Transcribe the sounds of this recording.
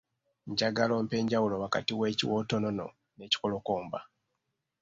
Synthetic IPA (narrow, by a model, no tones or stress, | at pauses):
ɲɟaɡalo̞ːmpe̞ːɲɟawulo̞waka̰tiwe̞ːciwoːto̞no̞no̞̰ | ne̞ːci̥kolo̞koːmba̰